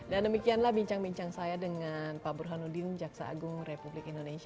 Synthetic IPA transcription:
dandəmikianlahbiɲt͡ʃaŋbiɲt͡ʃaŋsajadəŋanpabɾuɦanudind͡ʒak̚sa̰ʔa̰ɡʊŋrepublɪkindonesia

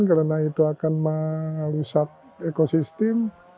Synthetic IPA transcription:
nkaɾanait̪uakanmalusak̚ | ekosist̪ɪm

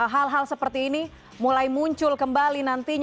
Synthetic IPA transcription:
ɦalɦalsəpərt̪iːni | mulajmuɲt͡ʃʊlkəmbalinant̪iɲ

